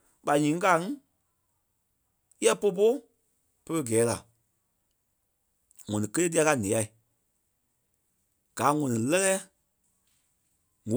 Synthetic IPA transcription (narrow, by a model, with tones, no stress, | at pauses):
ɓa˨ɲĩː˨˦ka˨˦ŋ˦ | jɛ˦po˧˦p̬o˦ | pə˧ɾə˧˨ɡɛː˨˦la̰˨ | ŋɔ̃˨nĩ˨kə˦leː˦t̬i˦a˧ka˧nĩ˨a˨i˨ | ɡ̥aː˨˦ŋɔ̃˨nĩ˨lɛ˦lɛː˦ | ŋo˨